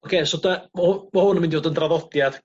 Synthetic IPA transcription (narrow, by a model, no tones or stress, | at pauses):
ɔkʰeːsɔdəmhʊmahʊnəmɪndivoːdəndraðɔdjad̥